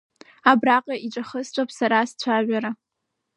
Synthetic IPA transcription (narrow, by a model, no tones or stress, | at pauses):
abraqʼaʔiʈ͡ʂʼaχəst͡ɕʷʰʼapʰʼsaɾast͡ɕʷʰaʒʷᶣaɾa